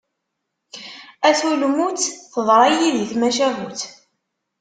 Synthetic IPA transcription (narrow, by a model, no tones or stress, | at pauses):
æθulmut͡sθəðˤɾˤɑjiðiθmæʃæɦuθ